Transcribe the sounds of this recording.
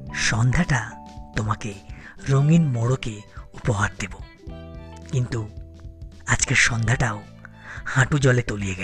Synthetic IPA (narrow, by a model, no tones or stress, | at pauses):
ʃɔnd̪ʱaʈat̪omakeɾoŋinmoɽokeupoɦaɾd̪ebo | kint̪u | ad͡ʑkeɾʃɔnd̪ʱaʈao | hãʈud͡ʑɔlet̪olijeɡɛ